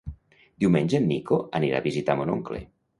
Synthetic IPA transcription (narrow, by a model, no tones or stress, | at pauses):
d̪iumenʲʒenːikoaniɾa̰βizit̪amonoŋklḛ